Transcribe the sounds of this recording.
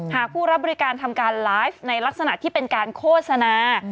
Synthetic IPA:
haː˨˩k̚pʰuː˥˩ɾa˦˥p̚bɔ˧ɾi˦˥kaː˧nt̪ʰa˧mkaː˧nlaː˦˥jfna˧jla˦˥k̚sa˧na˨˩ʔt̪ʰiː˥˩pe˧nkaː˧nkʰoː˥˩t̪̚sa˧naː˧

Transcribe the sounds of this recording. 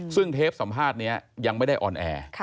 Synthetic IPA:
sɯ˥˩ŋt̪ʰeː˦˥p̚sa˩˦mpʰaː˥˩t̪̚ni˦˥ɐja˧ŋma˥˩jda˥˩jʔɔː˧nʔɛ̰ː˧

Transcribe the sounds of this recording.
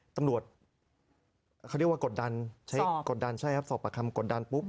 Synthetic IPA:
t̪a˧mɾu˨˩ət̪̚ | kʰa˥˩i˧˥˩waː˧ko˨˩t̪̚da˧nt͡ɕʰa˦˥ko˨˩t̪̚da˧nt͡ɕʰa˥˩jʔɛ˦˥p̚sɔː˨˩pːa˧kʰa˧mko˨˩t̪̚da˧npu˦˥p̚

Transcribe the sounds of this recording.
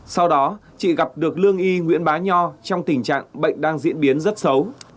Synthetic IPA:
sa˧wɗɔ˨˦t͡ɕḭ˧˨ɣa˨˩p̚ɗɨ˨˩ək̚lɨ˧əŋʔi˧ŋwḭ˧˥ənɓaː˨˦ɲɔ˧t͡ɕa˧wŋ͡mt̪ï˨˧˩ŋ̟t͡ɕa̰ː˧˨ŋɓə̰˧˨jŋ̟ɗaː˧ŋzḭ˧˥ənɓi˨˦ənzə˦˥t̚sə˨˦w

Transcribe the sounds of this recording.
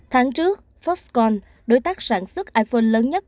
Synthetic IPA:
t̪ʰaː˨˦ŋt͡ɕɨ˦˥ək̚ | fɔ˦˥skɔ˧n | ɗo˨˦jt̪aː˦˥k̚saː˧˩nswə˦˥k̚ʔaː˧jfoː˧nləː˨˦nɲə˦˥t̚

